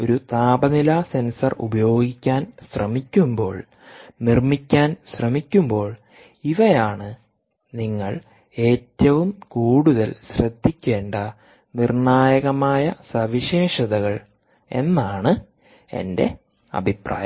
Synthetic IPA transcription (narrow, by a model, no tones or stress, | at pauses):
o̞ɾut̪aːbɐnilaːse̞nsɐrṵbɐjo̞ːɡikʲːaːnɕrɐmikʲːumbo̞ːɭ | nirmikʲːaːnɕrɐmikʲːumbo̞ːɭ | iʋɐjaːɳɨ | niŋːɐ̰ɭ | e̞ːtːɐʋumkuːɽuðɐlɕrɐd̪ʱːikʲːe̞ːɳɖɐ | nirɳaːjɐɣɐmaːjɐsɐʋiɕe̞ːʂɐðɐɣɐɭ | e̞̰nːaːɳɨ | e̞̰nde̞̰ | ɐ̰bʱipra̰ːjɐ